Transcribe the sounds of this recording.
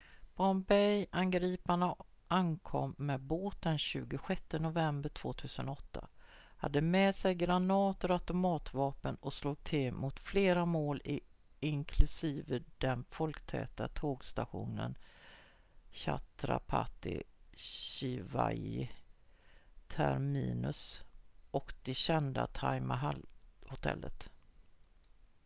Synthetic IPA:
b̥ɔnbɛjanɡɾiːpaɳa | ʔankʰɔ̰mːɛd̪boːt̪̚d̪ɛnɕʉ̟ːɡʊɧɛt̪ːənʊvɛmbəɾʈʰv̥o̰ːt̪ʰʉ̟ːsənɔɔt̪ʰːa̰ha̰d̪ːəmɛːsɛjɡɾanɑːt̪ɔɾat̪ʊmɑːt̪vɑːpənɔsluːɡ̚t̪ʰɪlmut̪fleːɾamoːlɪ | ɪŋkʰlɵsiːvəd̪ɛnfɔlkt̪ʰɛ̰ːt̪at̪ʰoːɡst̪aɧuːnən | ɕa̰t̪ɾa̰pʰa̰t̪ɪ̰ɕɪva̰j | t̪ʰæɾmiːnɵsʔɔkd̪̥ɛɕɛnd̪a̰t̪ʰajmaɦalhʊt̪ʰɛ̰lːə̰t̪

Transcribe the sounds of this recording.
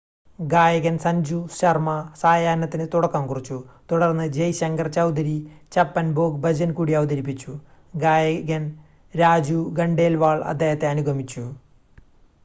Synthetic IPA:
ɡaːjɐɣɐnsɐɲd͡ʑuɕɐrmɐsaːjaːnɐt̪ːinɨt̪uɽɐkːaːmkurit͡ɕːut̪uɽɐrnːɨd͡ʑɐjɕɐŋɡɐrt͡ɕɐwd̪ɐɾit͡ɕɐpːɐnboːɡbɐd͡ʑɐnkuːɽiɐʋɐd̪ɐɾip̬ːit͡ɕːu | ɡaːjɐɣɐn | ɾaːd͡ʑuɡɐɳɖe̞ːlʋaːɭɐ̰d̪ːe̞ːhɐt̪ːe̞ɐnuɡʱɐmit͡ɕːu

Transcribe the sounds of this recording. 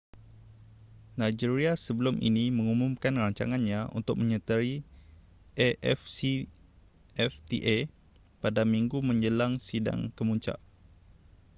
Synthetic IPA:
nãjd͡ʒiɾiasəbəlʊmʔḭnimə̃ŋumumkanraɲt͡ʃa̰ŋanɲãṵnt̪ʊk̚mə̃ɲət̪əɾi | ʔeʔɛ̰fsi | ɛft̪ḭʔe | padamiŋɡumə̃ɲd͡ʒəlaŋsida̰ŋkəmuɲt͡ʃa̰ʔ

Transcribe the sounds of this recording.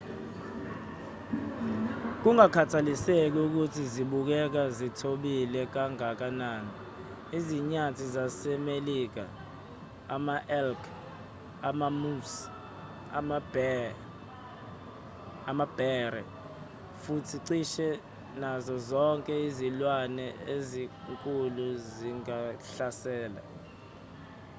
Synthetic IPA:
k̬uŋakʰatʰalisek̬uk̬utʰiziɓuk̬ɛk̬azitʰoɓilɛk̬aŋak̬anani | iziɲatʰizasɛmelik̬a̰ː | maʔɛlkʰ | amamus | am | amab̥ɛrɛ | futʰiǀiʃɛ | nazɔzɔŋkʼɛizilwanɛeziŋkʼuluziŋaɬasɛːla̰

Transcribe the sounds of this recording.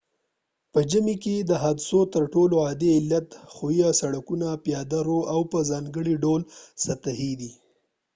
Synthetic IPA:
pəd͡ʒəmiked̪əɦad̪sot̪əɾʈoloɑd̪eɪlːat̪xojasaɽakunapjɑd̪aɾoawpəzɑŋɡəɽiɖolsat̪ahid̪i

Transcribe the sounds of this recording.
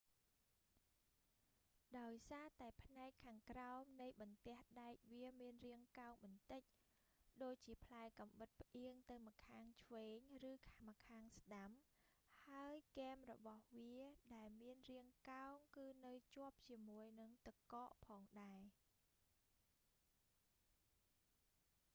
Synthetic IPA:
ɗaɔjsaːt̪aɛpʰnaɛkʰːaːŋkraɔmnɨjɓɑnt̪ɛ̆əhɗaɛk̚ʋiəmiənriəŋkaɔŋɓɑnt̪ɨc̚ | ɗoːc̚t͡ɕiəpʰlaɛkɑmɓɨt̪̚pʰʔiəŋt̪ɨwmakʰaːŋt͡ɕʰʋeːɲrɨːkʰamakʰaːŋsɗam | haəjkeːmrɔɓɑhʋiəɗaɛlmiənriəŋkaɔŋkɨːnɨwt͡ɕŏəp̚t͡ɕiəmuəjnɨŋt̪ɨkɑːʔpʰɑːŋɗaɛ

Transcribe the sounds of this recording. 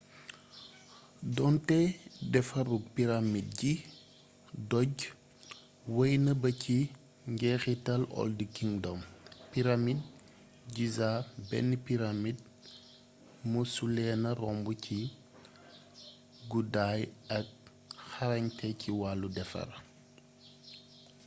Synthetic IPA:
dɔntɛdɛfɐruɡ̚piɾamid̚ɟi | dɔɟ | wɐjnɐbɐci | ŋɡɛːxitɐlɔ̰ldikiŋdɔmpiɾamid̚ | ɟizabɛ̰nːipiɾamid̚ | musulɛnɐrɔmbucʰi | ɡudaːjɐk̚ | xɐɾɐɲtʰɛcʰiwalːudɛfɐ̰r

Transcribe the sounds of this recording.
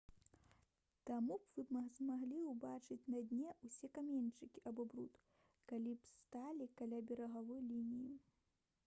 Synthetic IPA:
t̪amubvɨbazmaɣlʲiwbat͡ʂɨt͡sʲnɐd̪ʲnʲɛʔusʲɛkamʲenʲt͡ʂɨkʲiʔabɔbɾṵt̪ | kalʲipst̪alʲikalʲabʲɛɾɐɣavɔjlʲinʲiji

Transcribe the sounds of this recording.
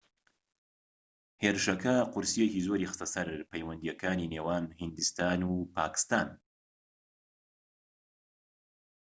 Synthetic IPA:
heːɾɨʃɐkɐqʊɾsijekiːzoːɾixɨ̥st̪ɐsɐɾpɛjwɐnd̪ijɛkʰaːniːnewaːnhɨnd̪ɨst̪aːnupʰaːkɨ̥st̪aːn

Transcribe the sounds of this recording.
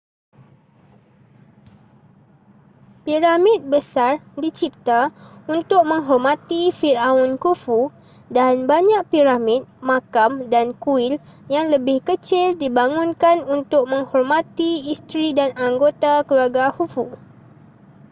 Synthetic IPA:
piɾamit̪̚bəsardit͡ʃip̚t̪aunt̪ʊk̚mə̃ŋɦɔrmãt̪ifiraɔnkufu | danbaɲãʔpiɾamit̪̚mãkamdankuɪljaŋləbɪhkət͡ʃɪldibaŋʊ̃nkanunt̪ʊk̚mə̃ŋhɔrmãt̪iist̪ɾidanaŋɡot̪akəluaɡahufu

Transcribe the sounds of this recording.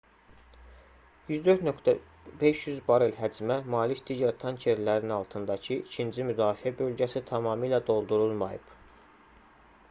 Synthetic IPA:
jyzd̪øɾt̪nøkt̪ʰæ | be̞ʃjyzbɑɾelɦæd͡ʒmæmɑːlicd̪̥iɟæɾt̪ʰɑncʰeɾlæɾinɑlˠt̪ʰɯnd̪ɑcʰɯʔicʰind͡ʒimyd̪ɑːfiæbø̞lɟæsit̪ʰɑmɑːmilæd̪o̞lˠd̪uɾulˠmɑ̰jɯ̰b̥

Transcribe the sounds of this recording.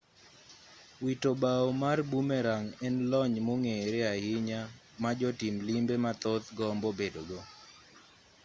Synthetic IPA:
witobaɔmarbumɛɾaŋɛnlɔɲmoŋeɾɛahɪɲa | mad͡ʒɔtimlimbemat̪ot̪ɡɔmbɔbedoɡo

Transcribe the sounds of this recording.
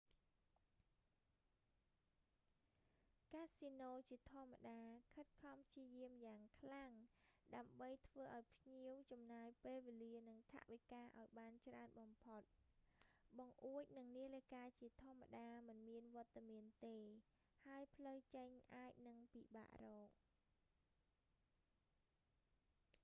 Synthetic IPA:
kaːsinoːt͡ɕiət̪ʰŏəmːa̰ɗaːkʰət̪̚kʰɑmpʰt͡ɕiəjiəmjaːŋkʰlaŋɗaəmɓəjt̪ʰʋəːʔaɔjpʰɲiəwt͡ɕɑmnaːjpeːlʋeːliənɨŋt̪ʰa̰ʔʋikaːʔa̰ɔjɓaːnt͡ɕraənɓɑmpʰot̪̚ | ɓɑŋʔuəc̚nɨŋniələkaːt͡ɕiət̪ʰŏəmːa̰ɗaːmɨnmiənʋŏət̪ːamiənt̪eː | haəjpʰləwt͡ɕəɲʔaːc̚nɨŋpiːɓa̰ːʔrɔːk̚

